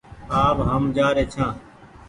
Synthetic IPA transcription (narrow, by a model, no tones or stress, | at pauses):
aːʋɦəmd͡ʒaːɾeːt͡ʃʰãː